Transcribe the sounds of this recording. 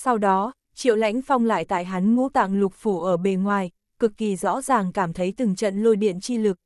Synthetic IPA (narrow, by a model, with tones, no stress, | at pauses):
sa˧wɗɔ˨˦ | t͡ɕḭ˧˨əwla̰˧˥jŋ̟fa˧wŋ͡mla̰ː˧˨jt̪a̰ː˧˨jɦa˨˦nŋṵ˧˥t̪a̰ː˧˨ŋlʊ˨˩k͡p̚fu˧˩ʔəː˧˩ɓe˧˩nŋwaː˨˩j | kɨ˨˩k̚ːi˨˩zɔ̰˧˥zaː˨˩ŋkaː˧˩mt̪ʰə˨˦jt̪ɨ˨˩ŋt͡ɕə̰˧˨nlo˧jɗḭ˧˨ənt͡ɕi˧lɨ˨˩k̚